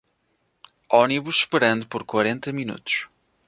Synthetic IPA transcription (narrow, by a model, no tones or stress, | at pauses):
ɔniβuʃʃpɨɾɐ̃nd̪upɔɾkwɐɾẽnt̪ɐminṵt̪u̥ʃ